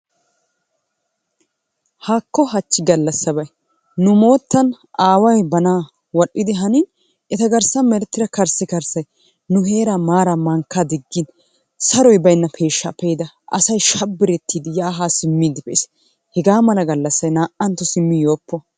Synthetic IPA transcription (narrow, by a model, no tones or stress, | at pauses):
haːkːɔɦɐt͡ʃːɪɡɐlːɐsːɐbɐj | nʊmo̞ːt̪ːɐn | ʔaːwɐjbɐnaː | wɔɗːɪd̪ɪɦɐnin | ɛt̪ɐɡɐɾsɐmɛɾɛt̪ːɪɾɐkɐɾsɪkɐɾsɐj | nʊɦe̞ːɾamaːɾɐmɐŋkːad̪ɪɡːɪn | sɐɾɔjbɐjnːɐpʰe̞ːʃːɐpɛjɪd̪ɐ | ʔɐ̰sɐjʃɐbːɪɾɛt̪ʰːiːd̪ɪjaːɦaːsɪmːiːd̪ɪpɛʔɪs | hɛɡaːmɐlɐɡɐlːɐsːɐjnaːʔɐnt̪ːɔsɪmːɪjoːpːɔ